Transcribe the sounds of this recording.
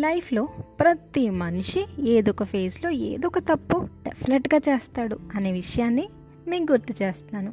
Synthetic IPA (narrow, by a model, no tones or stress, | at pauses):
lɐjpʰlo̞ːpɾɐt̪imɐnʂieːd̪ɔkɐpʰe̞ːslo̞ːḛːd̪ɔkɐt̪ɐpːuɖepʰineʈɡaːt͡ʃe̞ːst̪aːɽuɐne̞ːʋiʂɐjaːnːi | me̞ːmɡuɾt̪ːut͡ʃe̞ːst̪naːnu